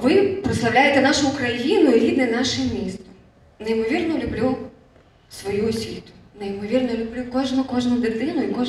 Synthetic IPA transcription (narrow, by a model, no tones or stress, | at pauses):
ʋɪpɾɪt̪sɐwlʲajet̪ɛnɑʃʊːkɾɐjinʊjiɾʲid̪nɛnɑʃɪmʲist̪ʊ | nejmɔʋʲirnɔlʲʊblʲu | sʋɔjuɔsʲʋʲit̪ʊ̥nejmɔʋʲirnɔlʲʊblʲukɔʒnʊkɔʒnʊd̪ɪd̪ɪnʊikɔ